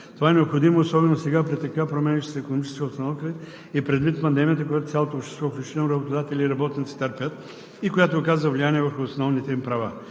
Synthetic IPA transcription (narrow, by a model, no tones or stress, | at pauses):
t̪ovaɛnɛopxod̪imoːsɔbɛnosɛɡapɾɛt̪ːɐkapɾomɛniʃt̪sikonomit͡ʃɛ̥skʲiotst̪ɐnɔfkəɛ | ipɾɛd̪vit̪pɐnd̪ɛmʲijət̪əkojat̪ot̪sʲalˠot̪opʃt̪ɛ̥st̪vɔfiʃinəmɾɐbot̪od̪at̪ɛlʲiːɾɐbɔt̪nit̪si̥t̪əɾpʲət̪ | ikojat̪ookazvəvlijaniɛvəɾxʊːsnɔvnit̪ɛimpɾɐva